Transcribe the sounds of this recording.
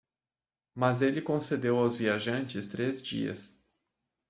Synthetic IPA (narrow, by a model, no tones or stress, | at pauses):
mɐzelɪkõsed̪ewawzviaʒɐ̃nt͡ʃɪst̪ɾezd͡ʒḭɐ̰s